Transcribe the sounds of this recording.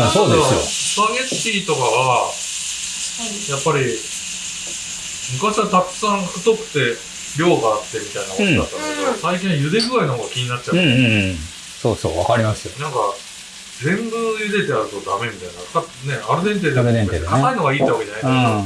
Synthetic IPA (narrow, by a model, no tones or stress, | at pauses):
soːd̪eosjo̰saɡeɕit̪o̞kaβa | japːaɾʲi | mɯ̟kaɕiβat̪akɯ̥sãŋɸɯ̟t̪o̞kɯ̟̥t̪e̞ | ɾʲo̞ːɡaːt̪ːe̞mʲit̪ainak̪ːd̪at̪ːaeosaikʲĩɰ̃jɯ̟d̪e̞ɡɯ̟ɾainoɦoɡakʲiɲ̟inatt͡ɕːaɯ̃ | soːso̰ːβakaɾʲimasɨjonãŋka | d͡zẽ̞mɡɯjɯ̟d̪e̞t̪e̞aɾɯ̟t̪o̞d̪ame̞mʲit̪ainat̪ane̞aɾɯ̟d̪ẽ̞nt̪̬e̞ːd̪eɾd̪ẽnt̪eːkakaino̞ɡaiːt̪eokʲienaikaa